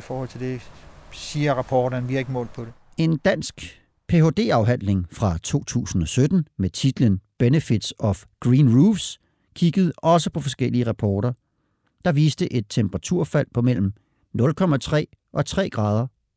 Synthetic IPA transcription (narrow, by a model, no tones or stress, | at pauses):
ifɒːhɒ̽l̰t͡sʰeld̥e̝siːɐʁɑpʰɒːd̥ɐnʋiɐɡ̥mɔ̰̽ːlpʰɒ̽ɾ̥e | e̝nd̥æn̰sɡ̥ | pʰe̝o̝d̥e̝̰ːɑ̈ʊɦæn̰le̝ŋfʁɑ̈t͡sʰo̝̰ːt͡sʰṵːsn̩ɒ̽sød̥n̩met͡sʰid̥lənb̥enəfid̥sɒ̽fɡ̥ʁiːnʁuːfs | kʰiɡ̥əð̩ˠɒ̽s̬əpʰɒ̽fɒ̽sɡ̥el̰iəʁɑpʰɒːɾɐ | d̥ɑ̈ʋiːsd̥əʔe̝d̥̚t͡sʰemb̥əʁɑ̈t͡sʰuɐ̰fæl̰pʰɒ̽mel̰m̩ | nɔ̽lkʰɒ̽mæt͡sʰʁɛ̰ː | ʔɒ̽t͡sʰʁɛ̰ːɡ̥ʁɑ̈ːð̞ˠɐ